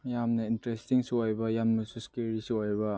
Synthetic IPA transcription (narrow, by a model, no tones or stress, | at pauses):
jamnɐintɾestiŋsiojbɐjamnɐsuskeɾisiojbɐ